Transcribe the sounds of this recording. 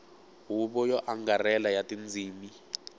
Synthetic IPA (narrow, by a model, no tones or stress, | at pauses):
ɦuɓɔjɔʔaŋɡarɛlajatʼind͡zʱiːmi